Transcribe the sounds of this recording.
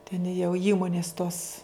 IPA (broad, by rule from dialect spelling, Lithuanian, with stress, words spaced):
tʲɛn jɛʊ ˈiːmoːnʲɪs toːs